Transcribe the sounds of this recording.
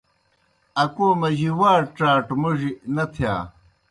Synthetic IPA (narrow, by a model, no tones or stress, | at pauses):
ɐkoːmɐʑiwaːɾʈ͡ʂaːʈmuʐinɐt̪ʰja̰ː